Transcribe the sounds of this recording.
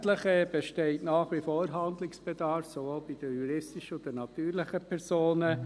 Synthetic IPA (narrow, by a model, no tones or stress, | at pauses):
tləχəb̥ɛʃtɛɪtnɑːχʋifoːɾɦɑndlɪksb̥ɛdɑɾfsovoːlbid̥əjuɾɪstɪʃədənɑt̪yːɾlɪχəpʰɛɾsoːnə